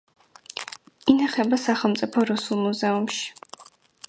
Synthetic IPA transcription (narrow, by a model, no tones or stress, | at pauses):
inaχɛbasaχlˠmt̪sʼipʰɔɾusulˠmuzɛumʃi̥